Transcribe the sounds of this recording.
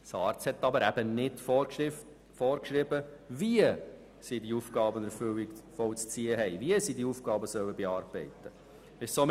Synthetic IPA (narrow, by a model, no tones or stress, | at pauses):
sɑːɾt͡shɛtːɑbəɾæb̥ənɪdf | fɔːɾkʃɾɪbəviə | sidiufɡ̥ɑːbənɛɾfʏwɪkfɔwt͡st͡siːəɦɛɪviəsidiufɡ̥ɑːbəsœwəbɛɑːɾb̥ɛɪtːə | ɪʃsom